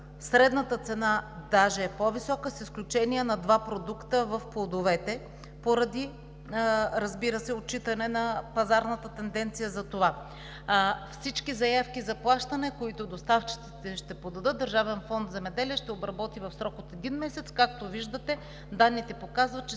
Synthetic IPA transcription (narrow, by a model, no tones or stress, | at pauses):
sɾɛd̪nət̪ət̪sɛnad̪aʒɛːpɔvisɔkəsisklʲut͡ʃɛniɛnɐd̪vapɾod̪ukt̪əvɐfplˠod̪ovɛt̪ɛ | poɾɐd̪i | ɾɐzbiɾəsɛot̚t͡ʃːit̪ənɛnɐpɐzaɾnət̪ət̪ɛnd̪ɛnt̪sijəzɐt̪ova | fsit͡ʃkizɐjafkizɐplˠaʃt̪ɐnɛkoit̪od̪ost̪aft͡ʃi̥t̪sit̪ɛʃt̪ɛpɾod̪ɐd̪ɤt̪̚d̪ɐɾʒavɛnfɔnt̪zɛmɛd̪ɛliɛʃt̪ɛobɾɐbɔt̪ivɐfsɾɔkot̪ɛd̪inmɛsɛt̪skakt̪oviʒd̪ət̪ɛ | d̪anːit̪ɛpokazvɐt̪̚t͡ʃɛ